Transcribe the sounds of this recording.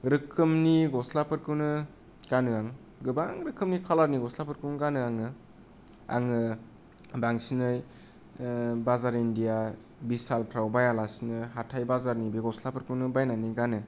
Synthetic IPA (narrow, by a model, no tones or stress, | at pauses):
ɾɯkʰɯmniɡɔslapɯɾkɯwnɯ | ɡ̥anɯaŋ | ɡɯbaŋɾɯkʰɯmnikʰalaɾniɡɔslapɯɾkɯnɡanɯaŋɯ | a̰ŋɯ | baŋsinɯj | bazaɾindija | bisalpʰɾawbajalasinɯɦatʰajbazaɾnibeɡɔslapɯɾkɯwnɯbajnaniɡanɯ